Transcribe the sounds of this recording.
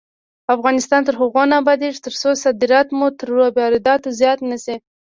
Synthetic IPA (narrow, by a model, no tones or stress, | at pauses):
afɣɑnɪst̪ɑnt̪əɾɦʊɣonabɑd̪eʒt̪əɾsosad̪ɪɾɑt̪mut̪əɾːobɑɾɪd̪ɑt̪ozjɑt̪nəsi